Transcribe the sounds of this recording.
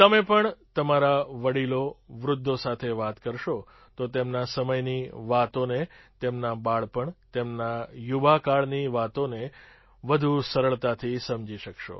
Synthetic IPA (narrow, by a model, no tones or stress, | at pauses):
t̪əmepəɳt̪əmaɾaʋəɽiloʋɾʊd̪ʱːosat̪ʰeʋat̪kəɾʃo | t̪ot̪emnasəməjniʋat̪onet̪emnabaɭpəɳt̪emnajuʋakaɭniʋat̪one | ʋəd̪ʱusəɾəɭt̪at̪ʰisəmd͡ʒiʃəkʃo̰